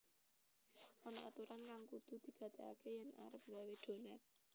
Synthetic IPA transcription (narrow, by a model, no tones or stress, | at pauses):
ɔnɔʔa̰t̪uɾankaŋkud̪̥ṳd̪̥i̤ɡ̥ä̤d̪̥ea̰kejəna̰ɾəp̚ŋɡawed̪̥o̤nat̪̚